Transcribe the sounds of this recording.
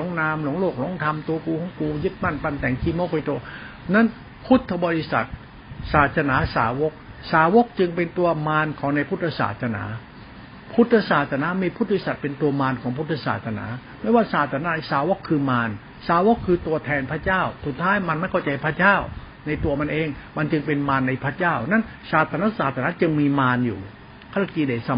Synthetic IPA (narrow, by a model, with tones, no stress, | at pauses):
o˨˦˥ŋnaː˧mlu˨˧˦ŋloː˥˩k̚lo˧˥˦ŋt̪ʰa˧mt̪u˧ɐkuː˧kʰɔː˨˩˦ŋkuː˧jɯ˦˥˩t̪̚ma˥˩npa˧˩nt̪ɛ˨˩˦ŋkʰiː˧˩mɔː˥˩kʰa˧jt̪uː˧ɐ | na˦˥˩n | pʰu˦˥t̪ʰːa˧bɔː˧ɾi˦˧sa̰˨˩t̪̚ | saː˨˩t̪̚sa˧naː˩˦saː˩˦wo˦˥k̚saː˩˦wo˦˥k̚t͡ɕɯ˧ŋpe˧nt̪u˧ɐmaː˧nkʰɔː˨˦ŋna˧jpʰu˥t̪ʰːa˧sa̰ː˨˩t̪̚sa˧na̰ː˩˦ | pʰu˦˥t̪ʰːa˧saː˨˩t̪̚sa˧naː˩˦˥miː˧pʰu˥t̪̚bi˧˥sa˨˩t̪̚pe˧nt̪u˧ɐmaː˧nkʰɔː˩˦ŋpʰu˦˥t̪ʰːa˧sa̰ː˨˩t̪̚sa˧na̰ː˩˦ma˥˩jwaː˥˩saː˨˩t̪̚ʰːa˧na˦˥˧saː˨˩˦wo˦˥kʰːɯː˧maː˧n | saː˨˦wo˦˥kʰːɯː˧t̪u˧ɐt̪ʰɛː˧npʰɾa˥t͡ɕaː˥˩wsu˨˩t̪ʰːaː˦˥jma˧nma˥˩jkʰa˥˩t͡ɕa˧hpʰɾa˥˩t͡ɕaː˥˩w | na˧jt̪u˧ɐma˧nʔeː˧ŋma˧nt͡ɕɯ˧ŋpe˧nmaː˧nːa˧jpʰɾa˦˥˩t͡ɕaː˥˩wna˥˩n | saː˨˩t̪ʰːa˧na˦˥saː˨˩t̪̚ʰa˧na˦˥t͡ɕɯ˧ŋmiː˧maː˧njṵː˨˩ | kʰa˥˩la˧˩kiː˧de˨˩sa˧